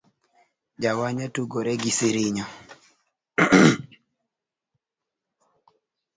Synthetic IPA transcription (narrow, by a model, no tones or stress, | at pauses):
d͡ʒawaɲatuɡoɾɛɡisiɾiɲɔ